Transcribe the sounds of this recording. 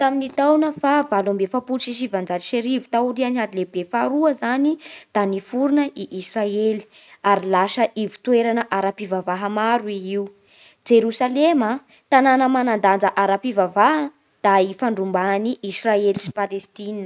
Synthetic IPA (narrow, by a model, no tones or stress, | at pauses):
t̪aminit̪awnəfavalambefapulʃiʃivand͡zaliʃeɾivu̥t̪auɾianihad̪ilebefaɾuəzanid̪̥anifuɾunəʔiʔisraeli̥ | aɾilaʃəʔivi̥t̪ueɾanəʔaɾapivavaɦəmaɾuiiu | d͡ʒeɾusalema | t̪ananəmanand̪and͡zəʔaɾapivavaɦə | d̪̥aifaɳɖ͡ʐumbaniʔːsraelisi̥palest̪iniə